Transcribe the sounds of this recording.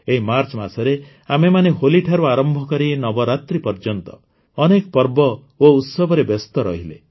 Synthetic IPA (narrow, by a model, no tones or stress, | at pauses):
eɦimaɾt͡ʃmasɔɾe | amemaneɦoliʈʰaɾuaɾɔmbʱɔkɔɾinɔbɔɾat̪ɾipɔɾd͡ʒɔnt̪ɔ | ɔnekɔpɔɾbɔ | out̪sɔbʱɔɾebɔst̪ɔɾɔɦile